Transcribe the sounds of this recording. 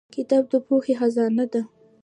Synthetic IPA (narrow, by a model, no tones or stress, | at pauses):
kɪt̪ɑb̚d̪əpoxexazɑnad̪a